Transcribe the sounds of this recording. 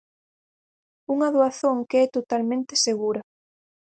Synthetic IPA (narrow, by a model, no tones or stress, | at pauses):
uŋaðoaθoŋkeɛt̪ot̪almẽnt̪eseɣuɾɐ